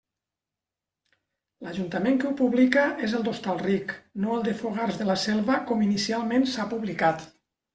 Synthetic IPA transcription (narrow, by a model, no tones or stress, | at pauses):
ləʒunt̪əmẽŋkeupuβlikəʔezəlˠd̪ost̪alˠriknoəlˠd̪əfoɣ̞aɾzðələsɛlˠβəkɔminisialˠmensapuβlikat̪